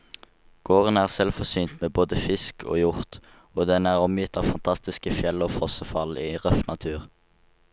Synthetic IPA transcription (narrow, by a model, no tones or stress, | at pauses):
ɡ̥oːʁənæːʁsɛlfɔʁsyːnt̪meːboːd̪əfɪskʰo̰ːjʊʁt̪ | oːd̪ɛnæːʁɔmjɪt̪ːɑːʋfɑnt̪ʰɑst̪ɪskəfjɛləoːfɔsəfɑliːʁœfnɑt̪ʰʉːʁ